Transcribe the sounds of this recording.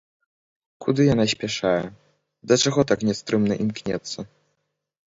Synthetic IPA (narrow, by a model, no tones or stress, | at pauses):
kud̪ɨjanas̬ʲpʲaʂajɛ | d̪ɐt͡ʂaɣɔt̪aknʲɛst̪ɾɨmnɐʔimknʲɛ̰t̪sːɐ